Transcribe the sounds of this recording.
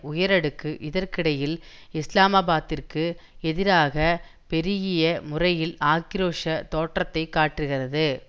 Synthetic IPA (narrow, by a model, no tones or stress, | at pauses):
ʊjɐɾɐɽɯkːɯʔɪðɐɾkɪɽɐjɪlɪslaːmɐbaːt̪ːɪrkɯ | ɛðɪɾaːɣɐpɛɾɪɣɪjɐmʊrɐjɪlaːkːɪɾoːʂɐt̪oːʈrɐt̪ːɐɪkːaːʈrɯɣɪrɐðɯ